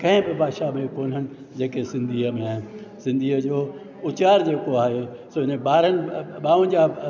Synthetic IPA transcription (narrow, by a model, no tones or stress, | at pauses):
kɐ̃ɦɪ̃bɪbʱaːd̪ʃamẽkoːn̤ənɪ̆ | d͡ʑeːkesɪ̃nd̪ʱiːəmẽaːɦɪ̃nɪsɪ̃nd̪ʱiːəd͡ʑoː | ʊt͡ɕaːɾd͡ʑeːkoaːɦesoːɪnəbaːɾənɪ̆ɓaːʋʊ̃n̆d͡ʑa